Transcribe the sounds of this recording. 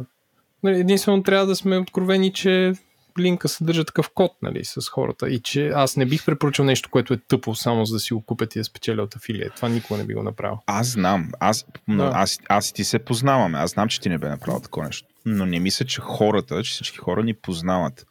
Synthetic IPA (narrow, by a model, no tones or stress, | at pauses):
nɐliɛd̪inst̪vɛnot̪ɾʲavəd̪ɐsmɛot̪̚kɾovɛnit͡ʃɛ | liŋkəsɛd̪ɤɾʒət̪ɐ̥kɤfkɔt̪̚nɐ̰lḭsɐsxɔ̰ɾə̰t̪ə̰it͡ʃɛasnɛbixpɾɛt̪poɾut͡ʃiwˠnɛʃt̪o̥koɛt̪ʊɛt̪ɤplˠosamozɐd̪ɐsiɡokupʲət̪ːiəspɛ̥t̪sialʲɛot̪ɐfilḭɛ̰t̪ovanikoɡɐnɛ̰bḭɡo̰nɐ̰pɾʔa̰vias̬znamasnʔasast̪isɛpoznavəmɛa̰znamt͡ʃɛ̥t̪inɛbɛnɐpɾa̰vl̰ˠt̪ɐ̥kɔvanɛʃt̪o̥nonɛmislʲət͡ʃɛxɔɾət̪ət͡ʃɛ̥sit͡ʃki̥xɔɾənipoznavət̪